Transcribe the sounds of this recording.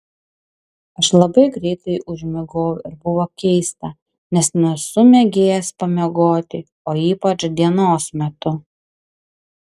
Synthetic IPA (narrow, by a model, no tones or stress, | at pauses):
ɐʃlˠɐbɐɪɡɾʲɛɪt̪ɐɪʔʊʒʲmʲɛɡoːwʊɪɾbʊʋoːkʲɛɪst̪ɐ | nʲɛsnʲɛsʊmʲɛɡʲeːjɛspɐmʲɛɡoːt̪ʲɪ | oːiːpɐt͡ʃd̪ʲiɛnoːsmʲɛt̪ʊ